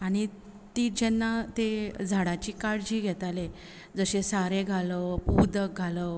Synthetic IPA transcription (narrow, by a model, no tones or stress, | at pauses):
aɽ̃i | t̪iːd͡ʑɛnːat̪ed͡zʱaɽat͡ɕiːkaɽd͡ʑiːɡʱɛt̪ale | d͡zəɕesaɾeɡʱaləpud̪ək̚ɡʱalə